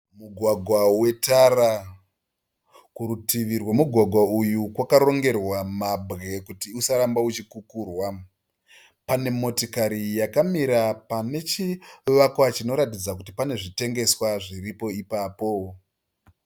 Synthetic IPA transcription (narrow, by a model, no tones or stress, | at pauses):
muɡʱwaɡʱwawe̞tara | kuɾutiʋirwamuɡʱwaɡʱwaujukwakaɾo̞ŋɡe̞rwamabɣe̞kutiusaɾambaut͡ʃikukuːrwa | pane̞mo̞tokaɾijakamiɾapane̞t͡ʃiʋakwat͡ʃino̞ɾatid͡zakutipane̞ʐite̞ŋɡe̞swaʐiripo̞ipaːpo̞